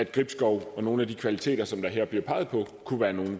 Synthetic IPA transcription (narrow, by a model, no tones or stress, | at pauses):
æd̥ɡ̥ʁib̥sɡ̥ɒʊɒ̽no̝ːn̩æd̥ikʰʋælit͡sʰe̝̰ːd̥ɐsɒ̽md̥ɑ̈ɦeɐ̰b̥liɐpʰɑ̈ɪðˠpʰɒ̽kʰuʋæːɐno̝ːn̩